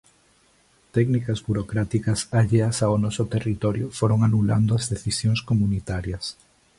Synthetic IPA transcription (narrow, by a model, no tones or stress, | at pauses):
t̪ɛknikɐzβuɾokɾat̪ikɐsaʎeɐsaonɔsʊt̪erit̪ɔɾjʊfoɾoŋanula̰nd̪ʊɐzðeθisjoŋskomunit̪aɾjɐs